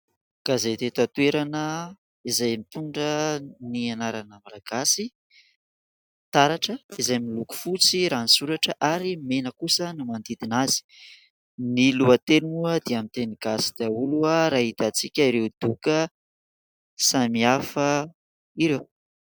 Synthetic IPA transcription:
ɡ̥azet̪et̪at̪ueɾanə | izajmit̪uɳɖ͡ʐənianaɾanəmalaɡ̥asi | t̪aɾaʈ͡ʂəizajmiluku̥fut͡siɾanisuɾaʈ͡ʂəʔaɾimenəkusənumand̪id̪inazi̥ | niluat̪enuəd̪eamint̪eniɡ̥asi̥d̪̥eauluəɾaɦit̪at͡sikʲaiɾewd̪̥ukə | samiafə | iɾew

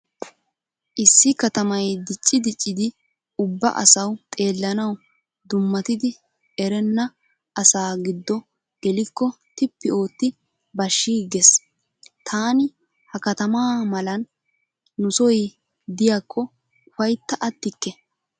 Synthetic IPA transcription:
ʔɪsːɪkɐt̪ɐmɐjd̪ɪt͡ʃʼːɪd̪ɪt͡ʃʼːɪd̪ɪ | ʊbːɐ̰ʔɐ̰sɐwt̪ʼe̞ːlːɐnɐw | d̪ʊmːɐt̪ɪd̪ɪ | ɛɾɛnːɐ | ʔɐsaːɡɪd̪ːɔ | ɡ̥ɛlɪkːɔ | t̪ɪpːɪo̞ːt̪ːɪ | bɐʃːiːɡɛs | t̪ʰaːnɪ | hɐkɐt̪ɐmaːmɐlɐnː | ʊsɔj | d̪ɪjakːɔ | ʊfɐjt̪ːɐʔɐt̪ːɪkːɛ

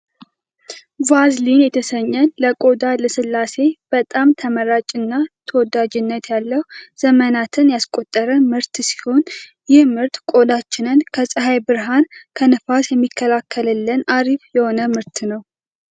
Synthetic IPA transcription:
vazlinjɛt̪ʰəsəɲːənləkʼo̞d̪aləsɨlːase̞b̥ət̪ʼamt̪ʰəməɾat͡ʃʼɨnːat̪ʰəwɔd̪ad͡ʒɪnːət̪jalːəhuz̥əmənat̪ʰɨnjaskʼo̞t̪ʼːəɾəmɨɾt̪si̥ho̞n | jɪhmɨɾt̪kʼo̞d̪at͡ʃːɪnɨnkʰəsʼɨɦajbɨɾɦankʰənɨfasjɛmːikʰːəlakʰːələlːənaɾiβjɛho̞nəmɨɾt̪nəw

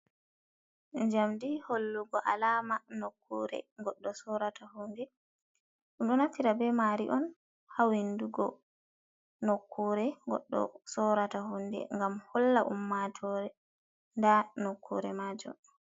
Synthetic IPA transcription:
ɲd͡ʒamdiholːuɡɔʔalaːmanokʰːuɾɛ̰ŋɡɔɗːɔsɔɾatahundɛ | ɗumɗɔnafiɾabɛmaɾiʔɔn | hawinduɡɔ̰ | nokʰːuːɾɛŋɡɔ̰ɗːɔ̰sɔɾataɦundɛ̰ŋɡamhɔlːaʔumːatʰɔɾɛ | ndanokːuɾɛmaːd͡ʒɔ̰

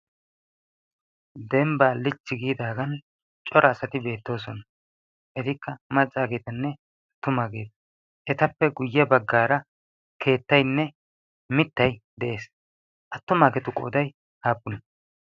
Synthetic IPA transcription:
d̪ɛmbaːlɪt͡ʃːɪɡiːd̪aːɡɐn | t͡ʃʼɔɾʔɐːsɐt̪ɪbe̞ːt̪ːo̞ːs̬ɔnɐ | ʔɛt̪ɪkːɐmɐt͡sʼːaːɡe̞ːt̪ɐnːɛ | ɐt̪ːʊmaːɡe̞ːt̪ɐ̥ | ʔɛt̪ɐpːɛɡʊjːɛbɐɡːaːɾɐ | kʰe̞ːt̪ːɐjnːɛ | mɪt̪ːɐjd̪ɛʔe̞ːs | ʔɐt̪ːʊmaːɡɛt̪ʊkʼo̰ːd̪ɐj | haːpːʊnɐ

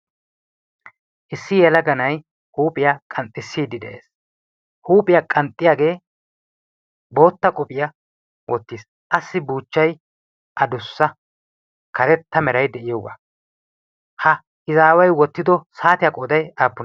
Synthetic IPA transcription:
ʔɪsːɪjɛlɐɡɐnɐj | huːpʼɪjakʼɐnt̪ʼːɪsːiːd̪ɪd̪ɛ̰ʔe̞̰ːs | huːpʼɪjakʼɐnt̪ʼːɪjaːɡe̞ː | bo̞ːt̪ːɐkʼɔpʼɪjɐ | wɔt̪ːiːs | ʔɐsːɪbuːt͡ʃːɐj | ʔɐd̪ʊsːɐ | kʰɐɾɛt̪ːɐmɛɾɐjd̪ɛʔɪjoːɡa̰ | hɐ | ɪzaːwɐjwɔt̪ːɪd̪ɔsaːt̪ɪjɐkʼɔd̪ɐjaːpːʊn

